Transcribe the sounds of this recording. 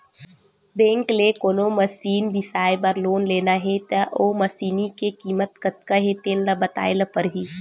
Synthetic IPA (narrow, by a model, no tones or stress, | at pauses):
bẽːŋklekoːnomɐsiːnbɪsaːjbəɾloːnleːnaɦet̪aʔoːmɐsiːnikekiːmət̪kət̪̚kaɦet̪eːnlabɐt̪a̰ːelapəɾɦiː